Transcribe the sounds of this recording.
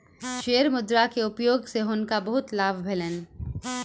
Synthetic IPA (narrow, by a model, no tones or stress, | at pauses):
ʃeːəɾmʊd̪ɾakeʊpjoːɡseɦʊnkabɐɦʊt̪laːbʱbʱelən